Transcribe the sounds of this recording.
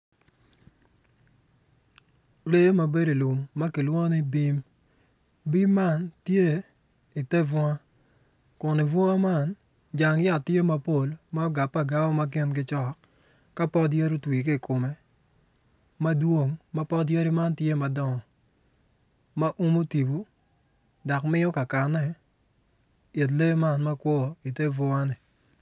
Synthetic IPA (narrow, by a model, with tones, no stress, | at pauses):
le˦ma˨be˦ɾo˨lu˨mːɐ˦kɪ˨lwɔ˦nɪ˦bi˦m | bi˦mːa˦˨ntje˦ | i˨te˦vɔ˦ŋa˦ | kʊ˨nɪ˨vɔ˦ŋa˦ma˦n | d͡ʒa˨ŋja˨tːje˦ma˨po˦˨lma˦ɔ˦ɡa˨pːa˦˨ɡa˦ɔ˦ma˦kɪ˦nɡɪ˦t͡ʃɔ˦˨kː | a˦pɔ˦dje˦ɾu˦twi˨kɪ˦˨kʊ˨mɛ˨ | mɐ˦dwo˦ŋma˦pɔ˦dje˦ɾi˦ma˦ntje˦ma˨dɔ˦ŋɔ˨ | ma˦ʔu˦mo˦ti˨bu˨˦ | dɔ˨kmɪ˦ɔ˦ka˨ka˨nːɛ˨ | e˨t̬le˦ma˦nma˦kwɔ˦i˨te˦vɔ˦a˦nɪ˨